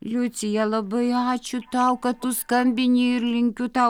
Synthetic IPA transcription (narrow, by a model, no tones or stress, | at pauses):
lʲʊt̪sʲɪjɛlˠɐbɐɪɑːt͡ʃʲʊt̪ɑʊkɐtt̪ʊskɐmʲbʲɪnʲiɪɾʲlʲɪŋʲkʲʊt̪ɑ